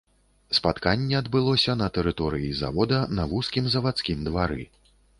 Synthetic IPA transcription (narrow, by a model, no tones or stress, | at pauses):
spat̪kanʲːɛɐd̪bɨlˠɔsʲɐnɐt̪ɛɾɨt̪ɔɾɨjiza̰vɔd̪ɐnɐvuskʲimzɐvat̪skʲimd̪vaɾɨ̰